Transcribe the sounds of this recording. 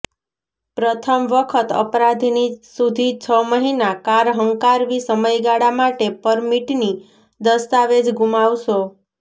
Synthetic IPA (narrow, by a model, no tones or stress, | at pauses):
pɾət̪ʰəmʋəkʰət̪ə̰pɾad̪ʱinisud̪ʱit͡ʃʰəməɦinakaɾɦəŋkaɾʋisəməjɡaɽamaʈepəɾmiʈni | d̪əst̪aʋed͡ʒɡumaʋʃo